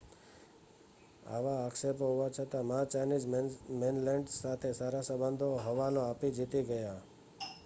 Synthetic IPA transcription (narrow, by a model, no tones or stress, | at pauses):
a̰ʋaːkʃepɦuʋat͡ʃʰət̪amat͡ʃajnid͡ʒmenlɛɳɖsat̪ʰesaɾasəbənd̪ʱoɦəʋanoapid͡ʒit̪iɡəja